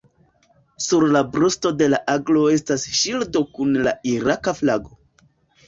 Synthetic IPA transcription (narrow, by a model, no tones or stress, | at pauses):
suɾlabɾusto̞de̞laʔaɡlo̞e̞stasʃildo̞kunla̰iɾakaflaɡo̞